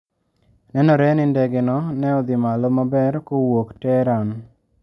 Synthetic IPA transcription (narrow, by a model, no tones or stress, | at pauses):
nɛnɔɾɛnɪndɛɡenɔnɛɔd̪ɪmalɔmabɛɾkowoktɛɾan